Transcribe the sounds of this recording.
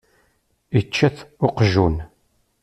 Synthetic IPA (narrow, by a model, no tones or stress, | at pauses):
it͡ʃːæθʊqʒun